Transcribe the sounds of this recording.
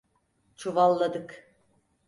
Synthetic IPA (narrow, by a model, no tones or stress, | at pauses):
t͡ʃʰuvalˠːad̪ɯk